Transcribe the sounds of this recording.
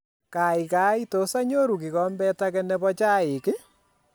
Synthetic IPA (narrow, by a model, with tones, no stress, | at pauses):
ka˨i˨ka˨˦i˦to˨sa˦ɲo˦ɾu˨ki˨kɔ˦mbɛ˦ta˦kɛ˦nɛ˦bɔ˦t͡ʃaː˦ɪ˨kɪ˦